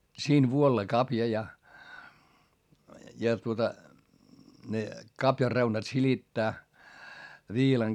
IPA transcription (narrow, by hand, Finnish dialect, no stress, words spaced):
siːn ʋuolːɑ kɑpjɑ jɑ jɑ tuotɑ ne kɑpjɑr reunɑt silitːæː ʋiːlɑŋ